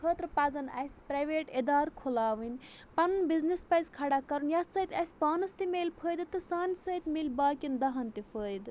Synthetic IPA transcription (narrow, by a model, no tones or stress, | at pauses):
kʰəːt̪ɾpaːzɐna̰jspɾajʋeʈed̪aːɾkʰolaːʋənpɐnbiznespajzkʰaɽakɐɾunjat̪sɐit̪ʲajspaːnɐst̪imeːlpʰəːjd̪ɨt̪ɨsaːnʲsɐit̪melʲbaːkind̪ɐɦɐnt̪ipʰəːjd̪